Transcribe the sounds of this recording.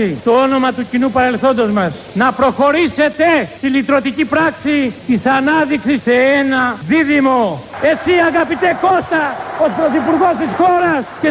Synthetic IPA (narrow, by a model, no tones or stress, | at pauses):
it̪oono̞mɐt̪ucinupɐɾe̞lθo̞nd̪ozmɐs | nɐpɾo̞xo̞ɾise̞t̪est̪ilit̪ɾot̪icipɾɐksit̪isɐnɐðiksiseenɐðiðimoe̞siɐɣɐpit̪ekost̪ɐospɾoθipuɾɣost̪isxoɾɐsce